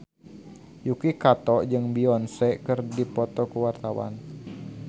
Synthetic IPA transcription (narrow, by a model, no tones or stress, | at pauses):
jukikat̪ɔʔd͡ʒɨŋbiɔnsɛkərdipɔt̪ɔkuwart̪awa̰n